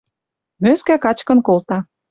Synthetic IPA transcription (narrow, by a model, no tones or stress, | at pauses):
møskækɑt͡ɕkə̆nkolt̪ɑ